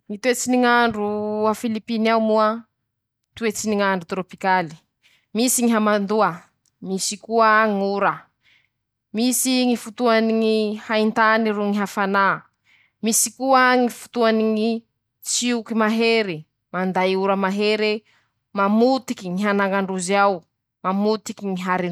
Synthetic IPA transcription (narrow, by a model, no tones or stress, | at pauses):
ŋit̪uet͡siniŋaɳɖ͡ʐuafilipinawmuə | t̪uet͡siniŋaɳɖ͡ʐut̪ɾopikali̥ | misiŋiɦamand̪uə | misikuəŋuɾə | misiŋifut̪uaniŋihaint̪aniɾuŋiɦafana | misikuəŋifu̥t̪uaniŋi | t͡siukimaɦeɾi | mand̪ajuɾəmaɦeɾe | mamut̪ikiŋiɦanaŋaɳɖ͡ʐuziaw | mamut̪ikiŋiɦaɾi